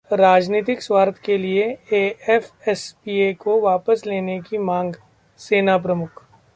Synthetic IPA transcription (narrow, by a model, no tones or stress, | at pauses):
ɾaːd͡ʒniːt̪ɪkswaːɾt̪ʰkelieeɛfɛspiːekoʋaːpəsleːnekimãːŋɡ | seːnap̬ɾəmʊkʰ